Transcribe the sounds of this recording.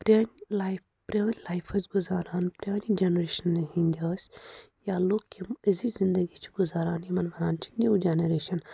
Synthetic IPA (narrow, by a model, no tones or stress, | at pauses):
pɾaːnʲlajp | pɾʲjaːnʲlaːjfʰɐzɡuzaːɾaːnpɾʲjaːnʲid͡ʒenɾeːʃɐnːɐɦĩːnd̪ʲaːsʲjaːloːkkʲːiməzizind̪əɡit͡ʃʰi̥ɡuzaːɾaːnimɐnʋɐɾaːnt͡ʃʰi̥nʲiwd͡ʒenɐɾeːʃɐn